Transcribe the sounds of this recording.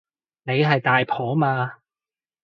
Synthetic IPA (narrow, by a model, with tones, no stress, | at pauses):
ne˨˧jɦɐ˨jt̪aː˨jpʰɔː˨˥maː˧